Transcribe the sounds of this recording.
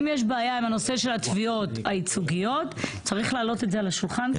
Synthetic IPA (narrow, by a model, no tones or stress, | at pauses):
mjeʃ̬beajaimano̞se̞ʃe̞lat̪vio̞t̪ait͡suɡijo̞tt͡saʁiχlaːlo̞te̞tzealaʃulχan